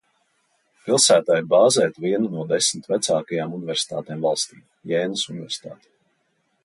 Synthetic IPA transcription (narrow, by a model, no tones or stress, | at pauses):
pilˠsæːt̪aːiɾbaːzɛːt̪viɛnunuɔd̪esmit̪væt̪saːkajaːmunivɛɾsi̥t̪aːt̪ɛːmvalˠst̪ḭːm | jɛːnɨsunivʲɛɾsʲt̪a̰ːt̪ɛ̥